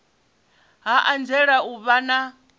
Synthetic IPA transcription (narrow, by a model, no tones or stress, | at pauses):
ɦaʔand͡ʒɛɺauβana